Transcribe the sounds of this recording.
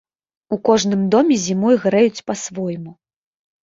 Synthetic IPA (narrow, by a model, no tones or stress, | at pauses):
ukɔʐn̪ɨmd̪ɔmʲɛzʲimɔjɣɾɛjut͡sʲpasvɔjmu